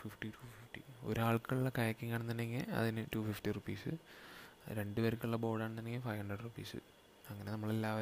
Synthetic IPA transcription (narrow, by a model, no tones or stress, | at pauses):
fifʈiʈuːfifʈḭo̞̰ɾaːɭkɐɭuɭːɐkɐjɐkːiŋːaːɳnt̪ɐnːeŋɡiɐ̰ðinɨtuːfifʈirupiːsɨ̰ | ɾe̞ɳɖɨʋɐɾukʲːuɭːɐbo̞ːɽaːɳ̃ɐnːeŋːɡilfɐjhɐɳɖrɐɖrupːḭːsɨ̰ | ɐŋːɐnenɐmːɐɭe̞lːaːʋɐ